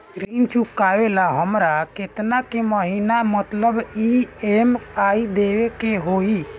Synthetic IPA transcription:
ɾint͡ʃʰukːaʋelaɦəmɾaket̪nakeməɦinamət̪ləbiemaid̪eʋekeɦoi

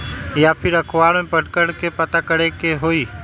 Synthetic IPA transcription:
jaːpʰɪɾəkʰʋaːɽmẽpəʈkəɽkepət̪akəɽekeɦoːiː

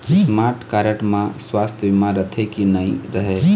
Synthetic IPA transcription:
smaɾʈʰkaɾeʈmãswast̪ʰjəbimãɾət̪ʰekinəjɾəɦe

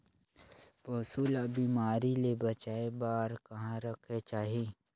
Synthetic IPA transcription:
poːsuːlabiːmaːɾilebɐt͡ʃaːebaːɾkɐɦãɾəkʰet͡ʃaːɦi

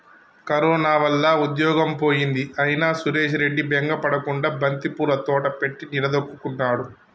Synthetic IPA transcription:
kɐɾɔːnaːʋɐlːaud̪jɔːɡɐmpo̞ːjind̪iʔɐjinaːsuɾe̞ːʃ̬ɾe̞ɖːibeŋɡɐpɐɽɐkuɳɖaːbɐnt̪ipuːɾɐt̪ɔːʈɐpe̞ʈːiniɾɐd̪okːukuɳʈaːɽu

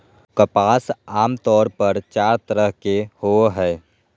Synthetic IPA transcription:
kəpaːsaːmt̪ɔːɾpəɾt͡ʃaːɾt̪əɾəɦkehoɦɛː

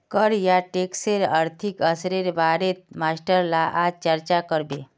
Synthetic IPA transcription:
kəɾjaʈeːkseɾəɾt̪ʰikəsɾeɾbaːɾet̪maːsʈəɾlaʔaːd͡ʒt͡ʃəɾt͡ʃakəɾbeː

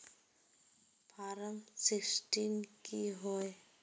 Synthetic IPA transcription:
pʰaːɾəmsɪksʈinkiɦoe

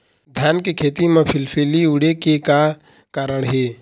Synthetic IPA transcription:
d̪ʱjaːnkekʰeːt̪imẽpʰɪlpʰeːliʊɽekeka | kaːɾəɽɦeː

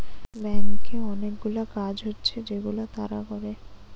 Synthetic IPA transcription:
bɛŋkeɔnek̚ɡulakad͡ʑɦotːɕʰed͡ʑeɡulot̪a̰ɾa̰kɔɾe

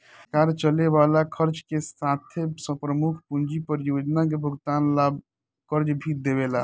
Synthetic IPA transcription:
kaːɾt͡ʃəleʋaːlakʰəɾt͡ʃkesaːt̪ʰesə̃pɾəmukʰpund͡ʒipəɾjoːd͡ʒnak̬ebʱəɡt̪aːnlaːb̚ | kəɾt͡ʃbʱid̪ebelaː

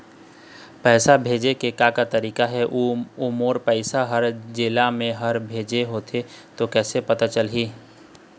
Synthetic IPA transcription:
pɛːsabʱeːd͡ʒekekakat̪ɐɾiːkaɦɛʔuumoːɾpɛɪsaɦəɾd͡ʒeːlamẽɦɐɾbʱeːd͡ʒeɦoːt̪ʰet̪okɛːsepɐt̪at͡ʃəlɦiː

